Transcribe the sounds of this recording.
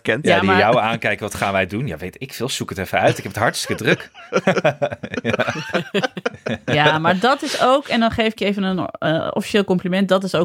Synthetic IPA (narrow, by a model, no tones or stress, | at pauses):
kɛnjadiajawaːnkɛjkəʋɑtχaːnʋɛjdunja̰ʋejtɪkfɪlˠsukətɛfənœɥtɪkɦɛpətɦɑɹtstə̥kədrɵk | jaːmaːɹdɑtɪsowkɛndɑnχejfɪkjejvənənɔ̰fiʃeːlˠkɔmplimɛnt̚dɑtɪso